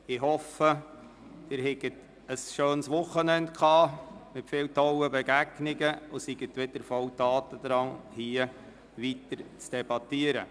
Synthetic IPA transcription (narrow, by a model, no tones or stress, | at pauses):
ɪhɔfə | d̥ɪɾɦɛɡət | əsʃøːnsʋʊχənɛndkʰχɑːmɪtfɪːwtʰɔwəbɛɡæɡnɪɡəosiɡ̥ətʋɪdəɾfɔwtɑːtəd̪ɾɑnhiə | ʋitəɾt͡sd̥ɛbɑtiəɾə̰